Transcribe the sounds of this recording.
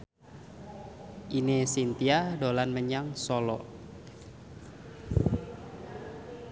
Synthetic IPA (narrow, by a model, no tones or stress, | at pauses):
ʔinesint̪iadolanməɲaŋsolɔ